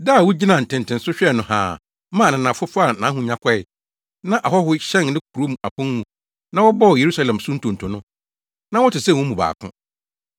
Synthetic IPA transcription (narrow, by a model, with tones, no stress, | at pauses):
da˦˨wʊ˦d͡ʑi˦nã˨n̩˨tʰɪ̃˨ntɪ̃˨n̩˨sʊ˦ɕᶣɛ˦˨nʊ̃˨hã̰ː˨ | mãː˦˨nã˨nã˨fʊ˦fʊ˦a˨nã˨˦ɦʊ̃˦ɲã˦kʰɔ˦ɪ˨ | nã˦ʔa˨ɦɔ˦hʊ˦ɕɛ̃˦˨nnɪ̃˦kʰu˨ɾo˦mũ˨a˨pʰʊ̃˦mũ˨ | nã˦wɔ˦bɔ˦ɔ˨je˨ɾu˦sa˦lã˨msʊ̃˦n̩˦tʰʊ̃˨ntʰʊ̃˨nʊ̃˦ | nã˦wɔ˦tɪ˨sɛ̃˦˨wʊ̃˦mũ˨ba̰ː˨kʰʊ̰̃˦